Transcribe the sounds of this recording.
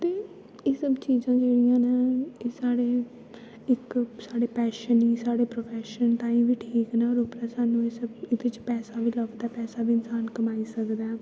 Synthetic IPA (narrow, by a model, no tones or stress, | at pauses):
t̪eː | eːsəbt͡ʃiːzãːd͡ʒeːɽijãːnaːeːsaːɽeː | ɪksaːɽeːpɛːʃəniːsaːɽeːpɾoːpʰɛːʃənt̪ãːĩːʋiːʈʰiːknaːɔːɾʊpɾaːsaːnũːeːsəbɪd̪et͡ʃpɛːsaːʋiːləɡd̪ɛːpɛːsaːbiːɪnsaːnkəmaːiːsəkd̪ɛː